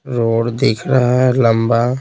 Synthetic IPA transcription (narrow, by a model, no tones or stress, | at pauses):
ɾoːɽd̪ɪkʰɾəɦaɦɛləmba